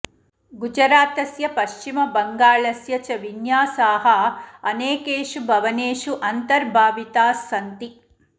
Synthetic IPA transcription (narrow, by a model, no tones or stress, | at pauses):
ɡud͡ʒɐɾaːt̪ɐsjɐpɐʃt͡ʃimɐbɐŋɡaːɭɐsjɐt͡ʃɐʋinjaːsaːɦɐɐneːkeːʂubʱɐʋɐneːʂuʔɐnt̪ɐɾbʱaːʋit̪aːsɐnt̪i